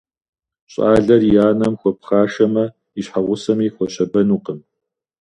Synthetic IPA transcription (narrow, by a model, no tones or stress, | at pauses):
ɕʼaːɮɐrjaːnɐmxʷɔp̚χaːʂɐmɐ | iɕħaʁʷʊsɐmiːxʷɔɕɐbɐnuːqəm